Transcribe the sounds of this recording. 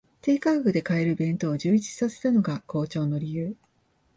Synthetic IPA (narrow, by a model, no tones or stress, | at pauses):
t̪eːkaːɡɯ̟d̪e̞kae̞ɾɯ̟bẽ̞nt̪o̞ːʑɨːit͡si̥sase̞̥t̪ano̞ɡako̞ːt͡ɕo̞ːno̞ɾʲijɯː